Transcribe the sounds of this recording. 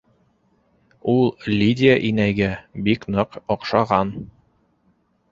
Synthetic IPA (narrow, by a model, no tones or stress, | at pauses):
ulˠlʲidʲɪjaʔinæjɡæbiknɤqɒqʃɑʁɑn